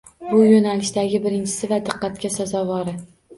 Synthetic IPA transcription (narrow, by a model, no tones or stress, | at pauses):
bʊjonalɪʃd̪aɡʲɪbɪɾɪnt͡ʃʰɪ̥sɪvad̪ɨqːɑt̪kʲasazɒvɒɾɪ